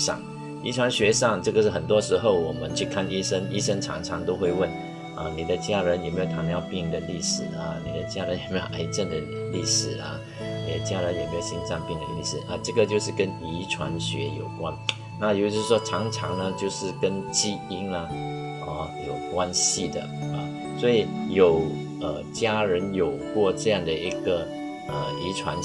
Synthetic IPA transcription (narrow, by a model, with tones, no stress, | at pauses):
ʂɑ̰˥˩ŋ | i˧˥ʈ͡ʂʰwa˧˥nɕɥɛ˧˥ʂɑ˥˧ŋʈ͡ʂɤ˥˩ɡə˨ʂɻ̩˥˩xə˨˩nt̪̬wɔ˥ʂɻ̩˧˥xo˥˩ʊwɔ˨˩mə˦nt͡ɕʰy˥˧kʰa˥˩ni˥ʂə˥ŋi˥ʂə˥ŋʈ͡ʂʰɑ̰˧˥ŋʈ͡ʂʰɑ˧˥ŋt̪o˥ʊxwe˥˧ɪwə˥˩n | ʔɐ˧˩ni˨˩d̪ə˦t͡ɕja˥ɻə˧˥njme˥jt̪ʰa˧˥njɑ˥˧˩ʊpi˥˩ŋd̪ə˨li˥˩ʂɻ̩˨˩ɐ˧ni˨˩d̪ə˦t͡ɕja˥ɻə˧˦njɛ˨˩me˥jo˨˩ʔa˧˥ɪt͡ɕjɛ˥˩nd̪ə˩li˥˩ʂɻ̩˨˩ɐ˧ | ni˨˩d̪ə˧˦t͡ɕja˥ɻə˧˦njme˧˥jɕi˥nt͡sɑ˥˧ŋpi˥˩ŋd̪ə̰˨lḭ˥˩ʂɻ̩˨˩˦ʔɐ˥˧ʈ͡ʂɤ˥˩ɡə˨t͡ɕjo˥˧ʊʂɻ̩˥˩kə˥ni˧˥ʈ͡ʂʰwa̰˧˥nɕɥɛ̰˧˥jo˨˩ʊkwa˦˥n | na˥˩jo˧˥˩ʂ̩˥˩ʂwɔ˥ʈ͡ʂʰɑ˧˥ŋʈ͡ʂʰɑ˧˥ŋnə˧t͡ɕjo˥˧ʊʂɻ̩˥˩kə˥nt͡ɕi˥i˥nə˧ | ɔ˥˧˩jo˨˩ʊkwa˥nɕi˨d̪ə̰˩ɐ˨˩ | swɔ˧˥i˨˩jo˨˩ʊ | ə˨˩t͡ɕja˥ɻə˧˥njo˨˩ʊkwɔ˥˧ʈ͡ʂɤ˥˧jɑ˥˩ŋd̪ə˩ʔi˧˥ɡə˧ | ə˧˩i˧˥ʈ͡ʂʰwa˧˥n